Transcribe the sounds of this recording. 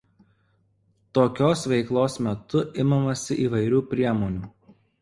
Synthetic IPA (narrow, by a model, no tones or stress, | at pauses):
t̪oːkʲoːsʋʲɛɪklˠoːsmʲɛt̪ʊʔɪmɐmɐsʲɪʔiːʋɐɪɾʲuːpʲɾʲiɛmoːnʲuː